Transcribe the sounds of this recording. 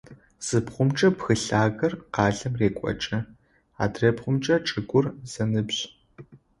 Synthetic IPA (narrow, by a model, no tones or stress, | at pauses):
z̥ɨpχʷʊmt͡ʃʼɐpxɨɬaːɣɐrqɑːɮɐmreːkʷʼɔ̰t͡ʃʼɐ | a̰ːdreːpχʷʊmt͡ʃʼɐʈ͡ʂʼɨɡʷʊrz̥ɐnɨbɕ